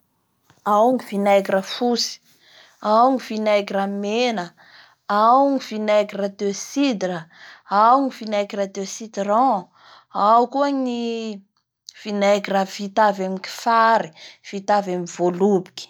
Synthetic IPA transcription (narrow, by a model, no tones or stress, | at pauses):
awŋivinajkiɾəfusi̥ | awŋivinajkiɾamenə | awŋivinaɡirad̪øsid̪ɾəawŋivinakiɾad̪esid̪ɾɑ̃ | awkuaɲi | v̥inajkirav̥it̪avamiki̥faɾiv̥it̪avamivolubi̥ki̥